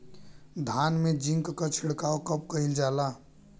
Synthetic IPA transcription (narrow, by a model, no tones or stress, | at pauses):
d̪ʱanmed͡ʒĩŋkkət͡ʃʰiɽkaokəp̚kəild͡ʒala